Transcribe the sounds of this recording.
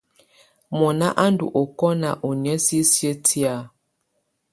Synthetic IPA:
mɔ˨na˦ʔa˦ndṵ˨ʔɔ˨kɔ˦na˨ʔo˨n˨ɛ˦si˦sje˦tʰi˦a˦˨

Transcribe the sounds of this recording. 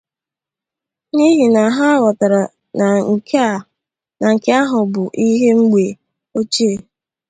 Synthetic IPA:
ni˦ɦi˨na˨ɦa˦wɔ˨ta˨ɾa˨ | na˨ŋ̩˨kʰe˦a˦˨ | na˨ŋ̩˨ke˦a˦ɦʊ˨bʊ˨ʔi˦ɦe˦ŋ͡m̩˦ɡ͡be˨ | o˦t͡ʃe˦˨

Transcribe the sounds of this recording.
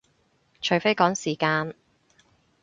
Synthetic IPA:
t͡ʃʰɵ˨ɥfe˥jkɔː˨˥ŋsiː˨˩kaː˧n

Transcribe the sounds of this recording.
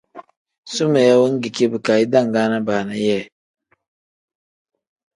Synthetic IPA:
su˦mɛ˨ja˦wə˦ŋ˦ɡi˨ke˦bɨ˨ka˨i˦da˦˨ŋ˨ɡa˦na˦baː˨na˦jɛː˦˨

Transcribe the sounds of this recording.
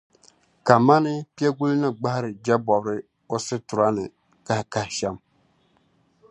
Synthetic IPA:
ka˨ma˦nɨ˦pi˦ɛ˦ɡu˦lnɨ˦ɡ͡ba˦hɾɨ˨d͡ʒa˦bɔ˨bɾɨ˦ | o˦sɨ˦tʊ˨ɾa˦nɨ˨ | ka˦hka˦hɪ˨ʃɛ˦m

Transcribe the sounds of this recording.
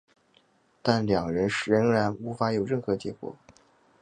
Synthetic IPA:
t̪a˥˩nljɑ˨˩ŋɻə˧˥nɻə˧˥ŋɻa˧˥nu˧˥fa˧˥jo˨˩ʊɻə˥˩xɤ˧˥t͡ɕjɛ˧˥kwɔ̰˨˩˦

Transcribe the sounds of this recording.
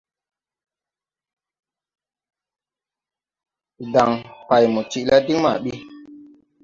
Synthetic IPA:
da˨ŋpa˨jmu˨t͡ʃi˨ʔla˦di˦ŋma̰˨ɓi˦

